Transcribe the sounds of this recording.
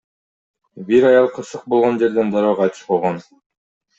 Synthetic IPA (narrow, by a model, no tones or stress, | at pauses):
biɾɑjɑlˠqʰɯɾsɯq̚bo̞lˠʁo̞nd͡ʒe̞ɾd̪end̪ɑɾoqʰɑjt̪ɯ̥ʃqolˠʁon